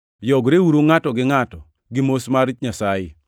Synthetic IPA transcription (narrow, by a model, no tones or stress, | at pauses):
jɔɡɾeuɾoŋatɔɡɪŋatɔ | ɡɪmosmarɪt͡ʃɲasajɪ̰